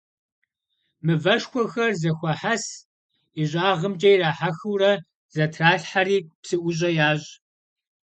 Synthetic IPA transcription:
mɨvɐʂxʷɔxɐrzɐxʷɐħas | iɕʼaːʁəmd͡ʒʼɐjraːħaxɨwrɐ | z̥ɐtʰraːɬħariːpsɨʔʷʊɕ̬ʼɐjaːɕʼ

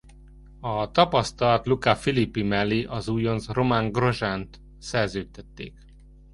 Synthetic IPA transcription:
ɒt̪ɒpɒst̪ɒlɒt̪lukafilipːimɛlːiʔɒzuːjonzro̞maŋɡro̞ʒant̪ | sɛrzøːt̪ɛt̪ːḛːk

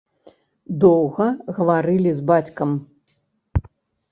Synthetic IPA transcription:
d̪ɔwɣɐɣɐvaɾɨlʲizbat͡sʲkɐm

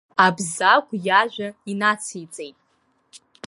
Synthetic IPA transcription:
abzakʷʰʼjaʒʷᶣainat͡sʰijt͡sʼejtʼ

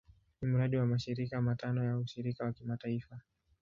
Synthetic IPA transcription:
nimuɾaɗiwamaʃiɾikamatanɔjauʃiɾikawakimataifa

